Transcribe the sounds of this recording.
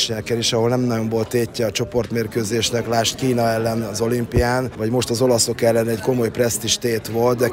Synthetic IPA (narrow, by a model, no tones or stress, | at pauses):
ʃnɛkɛneːʃɒɦo̞lnɛmnɒɟo̞ɱvo̞lt̪eːcːɛɒt͡ʃo̞po̞rt̪meːrkøːzeːʃnɛklaːʃt̪kiːnɒɛlːɛnɒzo̞limpijaːnvɒɟmo̞ʃt̪ɒzo̞lɒso̞kɛlːɛnɛɟko̞mo̞jprɛst̪iʃt̪eːt̪ʋo̞lt̪̚d̪ɛ